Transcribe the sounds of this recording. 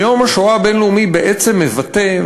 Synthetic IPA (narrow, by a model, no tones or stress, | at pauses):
jo̞mhaʃoabenluumibeʔet͡se̞mːevat̪e̞